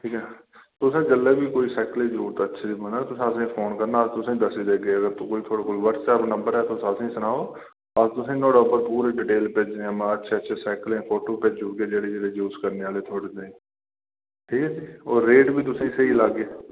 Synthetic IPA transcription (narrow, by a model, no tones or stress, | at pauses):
ʈʰiːkɛːt̪ʊsẽːd͡ʒəlːeːbʱiːkoːiːsɛːkəlẽːd͡ʒuːt̪ːətːʃʰeibənãːt̪ʊsẽəsẽːpʰoːnkəɾnaːəst̪ʊsẽːd̪əsiːd̪eːɡeəɡəɾt̪ũkoːit̪ʰoːɽeːkʊlʋəɾsɛːpnə̃mbəɾɛːt̪osəsẽsənaːoː | əst̪ʊsẽːnõːɖəbəɾpuːɾẽɖɪʈeːlpeːd͡ʒẽɛmãətːʃʰeːətːʃʰeːsɛːkəlẽːpʰoːʈoːped͡ʒd͡ʒuːkeːd͡ʒeːɽeːd͡ʒeːɽeːjuːskəɾneːʋaːleːt̪ʰoːɽeːd̪ẽ | ʈʰiːkɛːsiːoːɾːeːʈbʱiːt̪ʊsẽːseɦilaɡeː